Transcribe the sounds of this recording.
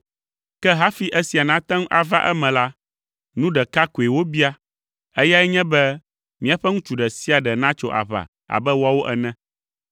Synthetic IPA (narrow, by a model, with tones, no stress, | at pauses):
kɛ˦ɦa˦fi˦ʔɛ˦si˨a˨nã˦t̪ã˦ŋ˦ʔa˨va˦ʔɛ̰˦mɛ̃˨la˦ | nũ˦ɖɛ˨ka˦ko˨e˨wo˦bi˦a˦ | ɛ˦ja˦ɛ˦ɲɛ̃˦bɛ˦ | mĩ˦a˨ɸɛ˦ŋũ˦t͡ʃu˨ɖɛ˨si˦a˨ɖɛ˨nã˦t͡ʃo˦ʔa̰˨βa̰˨ | a̰˨bɛ˦wo˦a˦wo˦ʔɛ˨nɛ̃˦